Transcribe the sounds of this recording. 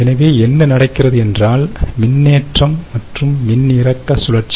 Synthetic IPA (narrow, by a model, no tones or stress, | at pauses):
ɛnɐʋeːɛnːɐnɐɽɐɪkːɪrɐðɯɛndraːlmɪnːeːʈrɐmːɐʈrɯmːɪnːɪrɐkːɐsʊlɐʈ̚t͡ʃː